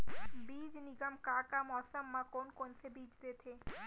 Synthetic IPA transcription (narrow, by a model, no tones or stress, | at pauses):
biːd͡ʒniɡəmkakamɔːsəmːakonkonsebiːd͡ʒd̪et̪ʰe